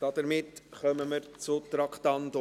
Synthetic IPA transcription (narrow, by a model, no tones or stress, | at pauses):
d̥ɑd̥̪əɾmɪtχœməməɾt͡sʊt̪ɾɑkt̪ɑnt̪o